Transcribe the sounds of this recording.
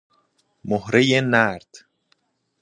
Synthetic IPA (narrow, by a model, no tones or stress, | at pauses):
mohɾejenæɾd̪̥